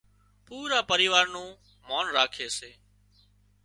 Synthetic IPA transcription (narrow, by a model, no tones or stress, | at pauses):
puːɾaːpəɾiːʋaːɾnũː | moːnɾaːkʰeːseː